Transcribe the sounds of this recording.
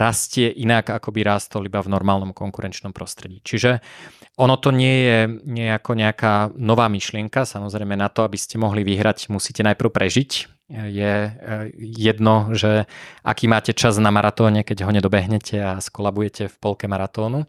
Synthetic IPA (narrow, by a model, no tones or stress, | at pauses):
ɾascɪɛʔinakakɔbiɾaːst̪ɔlibavnɔɾmaːlnɔmkɔŋkuɾɛnt͡ʃnɔmpɾɔst̪ɾɛɟiːt͡ʃiʒɛʔɔnɔt̪ɔɲɪɛjɛɲɪɛjɛakɔɲɛakaːnɔʋaːmiʃlɪɛŋkasamɔzɾɛjmɛnat̪ɔabiscɛmɔɦliʋiɦɾacmusiːcɛnajpr̩ʊpɾɛʒic | jɛ | jɛd̪nɔʒɛʔa̰kiːmaːcɛt͡ʃaznamaɾat̪ɔːɲɛkɛɟɦɔɲɛd̪ɔbɛɦɲɛcʰɛaskɔlabujɛcʰɛfpɔlkɛmaɾat̪ɔːnu